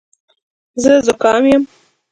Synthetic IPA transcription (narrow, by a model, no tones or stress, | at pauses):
zəzʊkɑmjəm